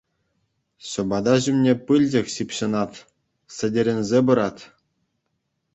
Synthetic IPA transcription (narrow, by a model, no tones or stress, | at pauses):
ɕɤ̆bɑd̪ɑʑymnʲepɯlʲd͡ʑʲɘ̆kʲɕipʲɕɤ̆nɑt̪ʲ | sʲɘ̆dʲĕɾʲenʲzʲebɤ̆ɾɑt̪ʲ